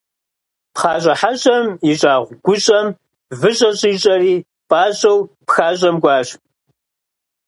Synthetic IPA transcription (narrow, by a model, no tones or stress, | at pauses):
pχaːɕʼɐħaɕʼɐmɪɕʼaːʁʷɡʷʊɕʼɐm | vɨɕʼɐɕʼiːɕʼɐriː | pʼaːɕʼɐwpxaːɕʼɐmɡʷɑːɕ